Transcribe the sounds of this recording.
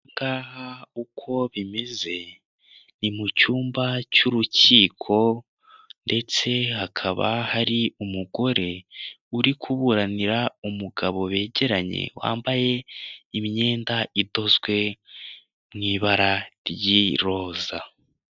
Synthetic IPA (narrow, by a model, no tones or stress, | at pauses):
ŋɡaːhaukʰo̞βime̞ze̞ | nimucuːmbacuɾuciːkʰo̞ | nde̞t͡se̞hakʰaβa̰haɾiumuɡo̞ɾe̞ | uɾikʰuβuɾaniɾaumuɡaβo̞βe̞ːɟe̞ɾaɲḛwa̰ːmbaje̞imiɲe̞ːndaʔido̞zɡwe̞ | mŋiːβaɾaɾjiɾo̞ːza